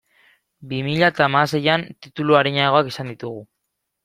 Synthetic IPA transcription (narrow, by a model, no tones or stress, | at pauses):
bimiʎat̪amase̞jant̪it̪uluaɾiɲaɣo̞akisand̪it̪uɣu